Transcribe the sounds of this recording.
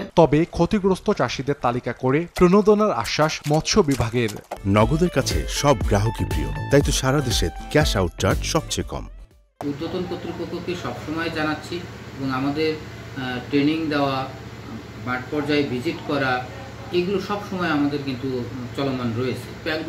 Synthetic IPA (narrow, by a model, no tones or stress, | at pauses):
t̪ɔbekʰot̪iɡɾost̪ot͡ɕaʃid̪eɾt̪alikakoɾepɾonod̪onaɾa̰ʃːaʃmɔt̪ʃʰobibʱaɡeɾnɔɡod̪eɾkat͡ɕʰḛʃɔb̚ɡɾaɦokipɾḭjo̰t̪ajt̪oʃaɾad̪eʃeɾkɛʃawʈ̚t͡ɕaɾɖʃɔb̚t͡ɕejkɔ̰m | ud̪ːot̪onpot̪ːɾopokʰːokeʃɔbʃɔmɔed͡ʑanatːɕʰi | eboŋamad̪eɾ | ʈɾeniŋd̪eoa | baʈpɔɾd͡ʑaebʱid͡ʑiʈkɔɾa | eɡuloʃɔbʃɔmɔeamad̪eɾkint̪ut͡ɕɔlomanɾɔet͡ɕʰepɛk